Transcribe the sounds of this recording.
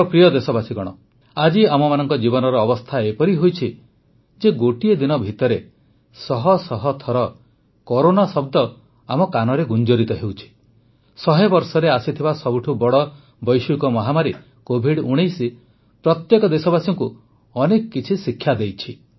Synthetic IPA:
pɾijɔd̪esɔbasikɔɽ̃ɔ̰ | ad͡ʒiamɔmanɔŋkɔd͡ʒibɔnɔɾɔːbɔst̪ʰaepɔɾiɦojt͡ʃʰi | d͡ʒeɡoʈied̪inɔbʱit̪ɔɾe | sɔɦɔsɔɦɔt̪ʰɔɾɔ | kɔɾonasɔbd̪ɔ | amɔkanɔɾeɡund͡ʒɔɾit̪ɔɦewt͡ʃʰi̥ | sɔɦebɔɾsɔɾeasit̪ʰibasɔbuʈʰubɔɽɔ | bɔjʃukɔmɔɦamaɾi | kobʱiɽuɽ̃ejsi | pɾɔt̪jekɔd̪esɔbasɔŋku | ɔnekɔkit͡ʃʰisikʰjad̪ejt͡ʃʰi

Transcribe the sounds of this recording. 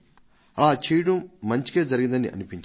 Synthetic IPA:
ɐlaːt͡ʃiːjʈɐmːɐɲt͡ʃi̥ke̞ːd͡ʒɐɾiɡind̪ɐniʔɐ̰nipiɲt͡ʃ

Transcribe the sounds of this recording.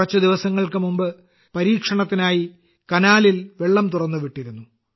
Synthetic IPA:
ɐt͡ɕːɐd̪iʋɐsɐŋːɐɭkɨmumbɨ | pɐɾiːkʂɐɳɐt̪ːinaːji | kɐnaːlilʋe̞ɭːɐmt̪urɐnːuʋiʈːiɾunːu

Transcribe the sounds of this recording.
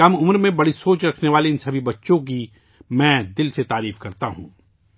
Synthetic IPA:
ɐmʊmɾmẽbɐɽisoːt͡ʃɾɐkʰneʋaːleɪnsɐbʱibɐtːʃõk̬i | mɛ̃ːd̪ɪlset̪aːɾiːfkɐɾt̪aɦṵ̃ː

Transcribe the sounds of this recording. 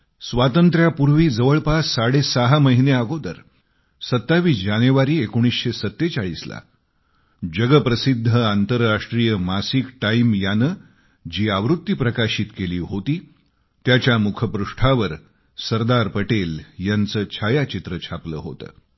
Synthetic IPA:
sʋat̪ənt̪ɾjapuɾʋiːd͡zəʋəɭpasaɽesaɦaməɦineaɡod̪əɾ | sət̪ːaʋiːsd͡ʑanjuʋaɾiːekoɽ̃isɕesət̪ːet͡saɭiːsla̰ | d͡ʑəɡəpɾəsid̪ʱːəant̪əɾːaʂʈɾijəmasikʈaimjanəː | d͡ʑiːaʋɾut̪ːipɾəkaɕiːt̪keliːɦot̪iː | t̪jat͡ɕjamukʰəpɾuʂʈʰaʋəɾ | səɾd̪aɾpəʈeljant͡səːt͡ɕʰajat͡ɕit̪ɾət͡ɕʰaplə̰ːɦo̰t̪ə̰ː

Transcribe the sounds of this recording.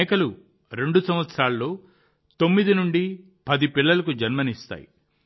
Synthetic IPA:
kɐlu | ɾe̞ɳɖusɐmʋɐt̪sɐɾaːlɐːo̞ː | t̪o̞mːid̪inuɳɖi | pɐd̪ipilːɐlɐkud͡ʒɐnmɐnist̪a̰ːjḭ

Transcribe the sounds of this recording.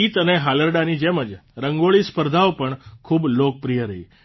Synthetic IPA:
it̪əneɦaləɾɖanid͡ʒeməd͡ʒɾəŋɡoɭispəɾd̪ʱaopəɳkʰuːblok̚pɾijəɾəḭ

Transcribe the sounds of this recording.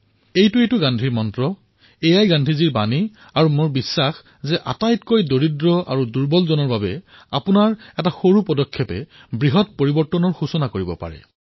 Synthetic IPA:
ejtuejtʊɡandʱiɹmɔntɹɔ | ejajɡandʱiziɹbani | aɹumoɹbisːax | zɛʔa̰tajtkojdoɹidɹɔʔa̰ɹuduɹbɔlzɔnɔɹbabɛ | apʊnaɹɛtaxoɹupɔdɔkʰːjɔpɛ̰ | bɹiɦɔt̚poɹibɔɹtɔnɔɹxusɔnakoɹibɔ̰pa̰ɹɛ̰

